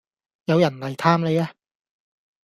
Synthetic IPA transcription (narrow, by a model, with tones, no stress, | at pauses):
jɐ˨˧wjɐ˨˩nlɐ˨˩jt̪ʰaː˥mle˨˧jaː˧